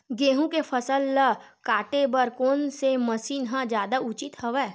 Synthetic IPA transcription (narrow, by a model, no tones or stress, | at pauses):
ɡeːɦũkefʰəsəlːə | kaːʈebəɾkoːnseməsiːnɦãd͡ʒjaːd̪aʔʊt͡ʃɪt̪həʋɛː